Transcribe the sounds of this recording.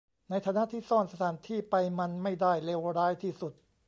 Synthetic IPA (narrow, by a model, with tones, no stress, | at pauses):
na˧jt̪ʰaː˧na˦˧˥ʔt̪ʰiː˥˩sɔː˥˩nsa˧t̪ʰaː˩˦nt̪ʰiː˥˩pa˧jma˧nma˥˩jdaː˥˩jle˧wɾaː˦˥jt̪ʰiː˥˩su˨˩t̪̚